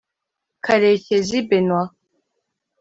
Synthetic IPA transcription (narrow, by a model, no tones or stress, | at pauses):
kʰaɾecezibenwa